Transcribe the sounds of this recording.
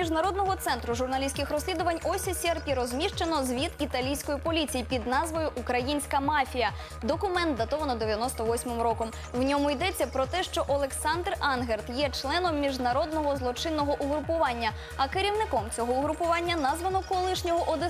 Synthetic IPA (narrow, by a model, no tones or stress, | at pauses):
iʒnɐɾɔd̪nɔɦɔt̪sɛnt̪ɾʊʒʊrnɐlʲisʲkɪxɾɔsʲlʲid̪ʊʋɐnʲɔsʲisʲɛrpʲiɾɔzʲmʲiʃt͡ʃenɔzʋʲit̪it̪ɐlʲijsʲkɔjipɔlʲit͡sʲijipʲid̪nɑzʋɔjʊʔːkɾɐjinʲsʲkɐmɑfʲijɐ | d̪ɔkʊmɛnt̪̚d̪ɐt̪ɔʋɐnɔd̪eʋʲjɐnɔst̪ɔʋɔsʲmɪmɾɔkɔm | wnʲɔmʊid̪ɛt͡sʲːɐpɾɔt̪ɛʃt͡ʃɔʔɔlˠeksɑnd̪rɑnɦert̪jɛt͡ʃlˠɛnɔmːʲiʒnɐɾɔd̪nɔɦɔzlˠɔt͡ʃɪnːɔɦɔʔuɦɾʊpʊʋɑnʲːɐ | ɐkeɾʲiwnɪkɔmt͡sʲɔɦɔʊɦɾʊpʊʋɑnʲːɐnɑzʋɐnɔkɔlˠɪʃnʲɔɦɔʔɔd̪ɪ